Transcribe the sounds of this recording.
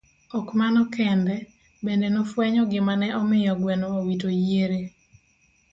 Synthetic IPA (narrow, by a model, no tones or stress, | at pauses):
ɔkmanɔkɛndɛ | bendɛnɔfwɛɲɔɡɪmanɛʔɔmɪjɔɡwɛnɔwawitojeɾe